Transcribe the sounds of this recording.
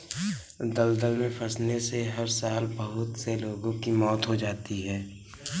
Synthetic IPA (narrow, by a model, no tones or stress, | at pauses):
d̪əld̪əlmẽfʰɐsneseɦɐɾsaːlbəɦʊt̪seloːɡõkimɔːt̪ɦod͡ʒaːt̪iɦɛː